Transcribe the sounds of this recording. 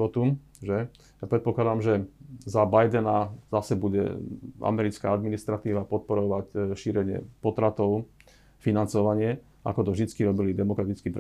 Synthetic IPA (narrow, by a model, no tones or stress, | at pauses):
ɔt̪u | ʒɛ | japɾɛt̪pɔklad̪amʒɛzabajd̪ɛnazasɛbuɟɛ̰a̰mɛɾit͡skaad̪minist̪ɾat̪iːʋapɔt̪̚pɔɾɔʋacʃiːɾɛɲɪɛ̰pɔt̪ɾat̪ɔʊ | finant͡sɔʋaɲɪɛ | a̰kɔt̪ɔvʒd̪it͡skiɾɔbilid̪ɛmɔkɾat̪it͡skipɾ